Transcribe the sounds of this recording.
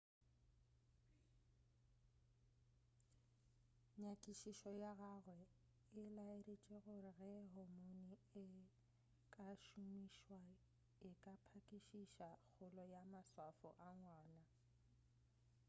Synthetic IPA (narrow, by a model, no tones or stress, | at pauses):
ɲakʼiʃiʃɔjaɣaɣwɛ | ɪlaeret͡ʃʼeɣʊrɪɣɛɦʊmoniɪ | kʼaʃumiʃwa | ɪkʼapʰakʼiʃiʃak͡xʰʊlɔjamaswafɔ̰ʔaŋwaːna